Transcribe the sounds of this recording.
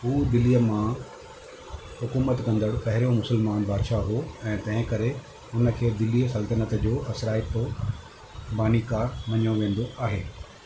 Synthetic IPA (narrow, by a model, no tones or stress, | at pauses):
ɦuːd̪ɪlːijəmã | hʊkuːmət̪kɐ̃nd̪əɽpɐɦɪɾijomʊsəlmaːnbaːd̪ʃaɦoɛ̃ːt̪ɐ̃ɦɪ̃kɐɾe | ʊnə̆kʰeːd̪ɪlːijəsɐlt̪ənət̪d͡ʑoːɐsɾaːɪpo | baːnikaːɾmɐɲjoʋẽːnd̪oʔaːɦeː